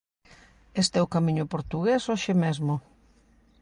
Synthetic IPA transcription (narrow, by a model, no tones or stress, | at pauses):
est̪ɛʊkamiɲʊpoɾt̪uɣesoʃɪmezmʊ